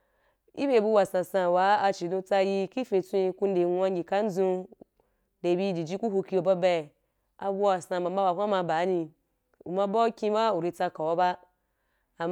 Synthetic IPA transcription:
ḭ˦be˦˨bu˧wa˨sã˨sã˧˨wa˨˦a˧t͡ʃi˨dũ˧t͡sa˧ji˧ki˦fĩ˧t͡sʷĩ˦˧ku˧n̩˦de˨˦wʷã˧ŋɡʲi˨ka˦n̩˦zũ˧˦ | de˨bi˧˦d͡ʒi˨d͡ʒi˦ku˦ɦu˧ki˧o˨ba˦bɛ˧˨ | a˧bu˦wa˨sã˧ba˨mba˦wa˨ɦʷã˦ma˧ba˨˦nĩ˧ | u˨ma˧ba˦kʲĩ˧ba˦u˨ɾi˧t͡sa˧ka˨wa˦ba˦ | a˨m

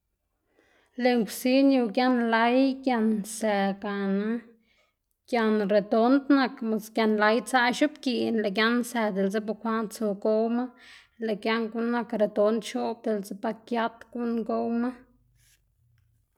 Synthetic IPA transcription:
le˨ŋkʷsi˦nu˧˨ɡja˦nla˧˦jɡja˧nse˨ɡa˨na˦ | ɡ̥ʲja˧nɾe˨d̪o˦nt̪na˨˧kma˨sɡja˧nla˧˦jt͡sa˧ʃu˦pki˧˨nla˨ɡja˦nse˨d̪e˨lze˦b̬a˧kʷa˦nt͡su˨ɡo˦wma˦ | le˨ɡja˦ŋɡu˦nːa˧kɾe˨d̪o˧˦nt̪ʃo˦b̚d̪e˨lze˦pa˧kja˦t̪ɡu˦nɡo˦wma˦

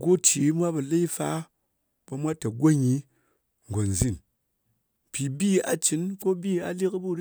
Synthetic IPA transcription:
ɡo˦t͡ʃi˨˦mʷ˦a˦bɐ˨le˦i˦fa˦ | bo˧mʷa˦tɐ˨ɡʷo˦ɲi˨˦ | ŋ˨ɡo˨n˨zi˦˨n | pi˨bi˦a̰˨t͡ʃi˨˦nko˦bi˦a˨li˦kbu˦˨ɾ

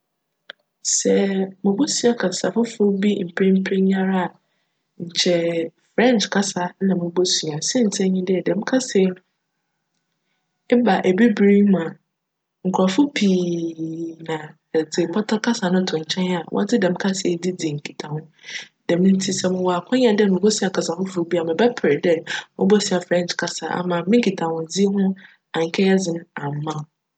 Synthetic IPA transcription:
sɛ˦mʊ̃˨bo˦su˦a˦kʰa˨sa˨fʊ˦fʊ˦bi˦m̩˨pʰɪ˦m̩˦pʰɪ˦ɲa˦ɾa˦a˨ | ɲ̩˨t͡ɕʰɛ˨fɾɛ̃˦nt͡ʃkʰa˦sa˨˦nã˨mʊ̃˨bo˦su˨a˨sɛ˦n̩˨tʰɛ̃˦ɲĩ˦dɪ˦ɛ˨dɛ̃˨m̩˦kʰa˦sɛ˨ | ɛ˦ba˨ʔe˨bi˦bɾi˦mã˨ | ŋ̩˨kʰʊ˨ɾa˨fʊ˦pʰiː˨ | nã˨ | d͡zɪ˨pʰɔ˦tʰa˦kʰa˦sa˨nʊ̃˦tʰʊ̃˨ɲ˨t͡ɕʰɛ̃˦n˦a˨wɔ̰˦tɪ˦dɛ̃˨m̩˦kʰa˦sɛ˨˦di˦d͡zi˨e˨ŋ̩˨kʰi˨tʰã˨hʊ̃˦ | dɛ˨mɪ̃˦n̩˦tʰi˦sɛ˦mʊ̃˨wɔ˨a˨kʰʷɔ̃˦ɲ˦ã˨dɛ˦nʊ̃˨ko˦sɪ˦a˨kʰa˨sã˨hʊ̃˦fʊ˨bi˦a˨mɪ̃˨bɛ˦pʰɪ˨ɾdɛ˦mʊ̃˦bɔ˦sɪ˦a˨fɾɛ̃˦n˨t͡ʃkʰa˦sa̰˨a̰˨mã˨mɪ̃˦ŋ˦kʰi˨tʰã˨hʊ̃˨d͡zi˦ɦʊ̃˦ | ã˨ŋ̩˨kʰɛ˦jɛ˦d͡zɪ̃˨m̃˦ã˨m˨mã˦˨˦

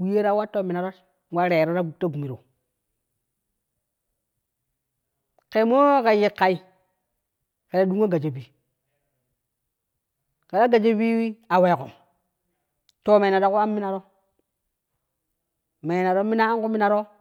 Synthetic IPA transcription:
wi˦je˦ɾa˦wa˦tːo˦mi˨na˨ɾo˦t | wa˦ɾe˨ɾo˦ɾa˦ɡu˨ta˦ɡu˨mi˨ɾo̰˨ | ke˨mo˦ka˨ji˨kːa˨i˨ | ke˨da˨du˦ŋ˦a˦ɡa˨d͡ʒe˨bi˨ | ke˨ɾa˦ɡa˨d͡ʒe˦bi˦wi˦a˨we˨ko˨ | to˦me˨na˨ɾo˦ku˦a˦mi˦na˨ɾo˦ | me˨na˨ɾo˦mi˦na˦ŋku˦mi˦na˨ɾo˦

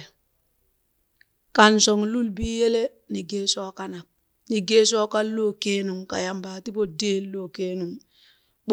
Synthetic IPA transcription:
ka˨nso˨ŋlu˦lbi˦je˦le˦ | ni˨ɡeː˦soː˦ka˨na˨k̚ | ni˨ɡeː˦so˦ka˦lːoː˦ke˦nu˨ŋka̰˨ja˦mbaː˨ti˦po˦deː˦lːo˦˨keː˦nu˨ŋ | b

